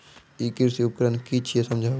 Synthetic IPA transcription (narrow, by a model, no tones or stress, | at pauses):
ikɪɾsiʊpkɾənkit͡ʃʰiesɐmd͡ʒʱa